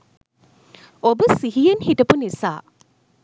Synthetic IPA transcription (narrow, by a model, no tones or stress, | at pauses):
obəsiɦijenhiʈɐpunisa̰ː